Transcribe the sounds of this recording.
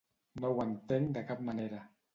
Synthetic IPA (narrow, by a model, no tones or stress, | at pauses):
nɔwant̪ɛŋdakap̚manɛɾa